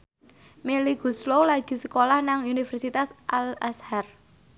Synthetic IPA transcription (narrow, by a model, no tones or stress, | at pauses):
meliɡ̥ṳslolaɡ̥i̤səkolahnaŋunifərsit̪asʔalashar